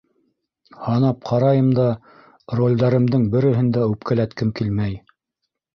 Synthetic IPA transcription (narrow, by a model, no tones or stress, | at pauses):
hɑnɑp̚qʰɑɾɑjɤmd̪ɑ | rolʲd̪ɑɾɤ̆md̪ɤŋbɘ̆ɾɘ̆ɦɘ̆nd̪æʉp̚kælæt̪kɘmkilmæj